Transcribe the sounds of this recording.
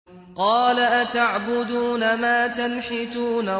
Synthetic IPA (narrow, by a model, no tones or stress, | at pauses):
qɑːlaʔat̪aʕbʊd̪uːnamaːt̪anħɪt̪uːna